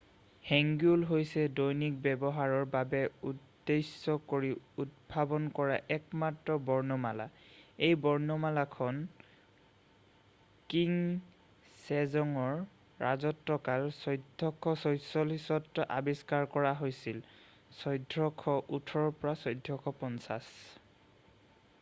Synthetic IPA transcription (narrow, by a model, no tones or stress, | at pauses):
hɛŋɡjulɦojsɛdojnik̚bɛbɔɦaɹɔɹbabɛudejsɔkoɹiud̚bʱabɔnkɔɹaʔɛkmatɹɔbɔɹnɔmala̰ejbɔɹnɔmalakʰɔn | kiŋ | sɛzɔŋɔɹː | azɔtːɔkalsɔjdʱɔkʰːɔsɔjsɔlisɔta̰biskaɹkɔɹaɦojsil | sɔjdʱɹɔkʰɔʔutʰɔɹpɔɹasɔjdʱːɔkʰɔpɔnsa̰s